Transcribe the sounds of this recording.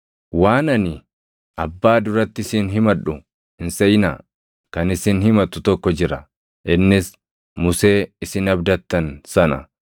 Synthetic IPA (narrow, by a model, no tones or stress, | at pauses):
waːnɐnɪ | ɐbːaːd̪ʊɾɐt̪ːɪɪsɪnɦɪmɐᶑʊ | ɪnsɛjna̰ | kɐnɪsɪnhɪmɐt̪ʊt̪ɔkːɔd͡ʒɪɾɐ̰ | ʔɪnːɪs | mʊse̞ːɪsɪnɐbd̪ɐt̪ːɐnsɐnɐ̰